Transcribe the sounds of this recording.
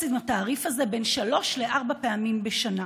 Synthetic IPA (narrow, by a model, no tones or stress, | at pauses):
sid̪mataːʁifhaze̞be̞nʃalo̞ʃle̞ʔaʁbapeamimbeʃana